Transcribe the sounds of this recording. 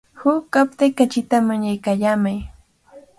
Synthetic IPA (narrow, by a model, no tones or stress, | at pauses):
hʊkːap̚t̪ɪkat͡ʃɪt̪amaɲajkaːʎaːmaj